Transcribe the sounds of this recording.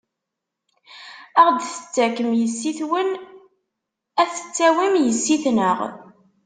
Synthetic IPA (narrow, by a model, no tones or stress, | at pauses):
æʁd̪θə̥t͡sːækəmjəsːiθwən | æθə̥t͡sːæwimjəsːiθnəʁ